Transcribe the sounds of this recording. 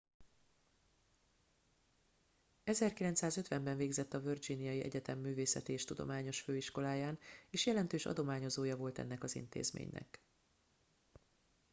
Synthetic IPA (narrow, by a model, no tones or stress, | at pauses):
ɛzɛrkilɛnt̪saːzø̞t̪ʋɛmbɛɱveːɡzɛt̪ːɒvørd͡ʒinijɒjiɛ̰ɟɛt̪ɛmːyːveːsɛt̪eːʃt̪ud̪o̞̰maːɲo̞ʃføːiʃko̞laːjaːneːʃjɛlɛnt̪øːʃɒ̰d̪o̞maːɲo̞zoːjɒvo̞lt̪ɛ̰nːɛkɒzḭnt̪ḛːzmḛːɲnɛ̰k